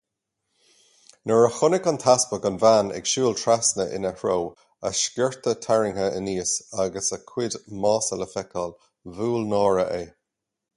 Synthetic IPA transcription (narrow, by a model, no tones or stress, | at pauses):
nəɹəxʊnɪkɔnt̪ʰaspəɡɔnvaːnɛ̰ɡ̥ʃuːlt̪ʰɹasnəʔɪ̰nəhɹow | ə̰ʃkɛɹt̪ətʰaɹɪŋhəʔə̰niːsaɡəsəkʰw̥ɪdmɑːsələfɛkʰɔl | vuːlnɔːɹəʔeː